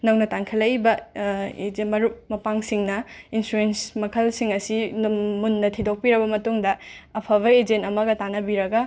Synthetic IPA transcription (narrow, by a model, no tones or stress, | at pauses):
nɐwnɐtaŋkʰɐlɐjbɐed͡ʒmɐɾup̚mɐpaŋsiŋnɐinsɾuensmɐkʰɐlsiŋɐsimunːɐtʰidok̚piɾɐbɐmɐtuŋdɐːpʰɐβɐed͡ʒentɐmɐɡɐtanɐbiɾɐɡɐ